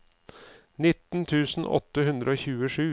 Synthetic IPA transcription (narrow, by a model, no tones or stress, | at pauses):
nɪt̪n̩t̪ʰʉːsn̩ɔ̰t̪ːəhʉnd̪ɾəoːçʉːəʂʉː